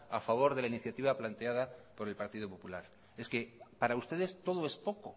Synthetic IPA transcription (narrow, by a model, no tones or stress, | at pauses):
afaβo̞ɾðe̞lainiθjat̪iβaplant̪eað̞apo̞ɾe̞lpaɾt̪ið̞opo̞pulaɾ | e̞ske̞paɾaust̪e̞ðe̞st̪o̞ð̞oe̞spo̞ko̞